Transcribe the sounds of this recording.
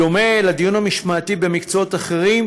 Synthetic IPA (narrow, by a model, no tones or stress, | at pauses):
omelad̪ijunamiʃmaːt̪ibe̞mikt͡soot̪aχe̞ʁim